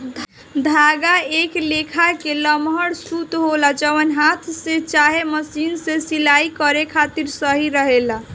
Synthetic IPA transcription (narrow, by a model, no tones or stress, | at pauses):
d̪ʱ | d̪ʱaɡaeklekʰakeləmɦəɽsut̪ɦolad͡ʒəʋənɦat̪ʰset͡ʃaɦeməsinsesilaikəɾekʰat̪iɾsəɦiɾəɦela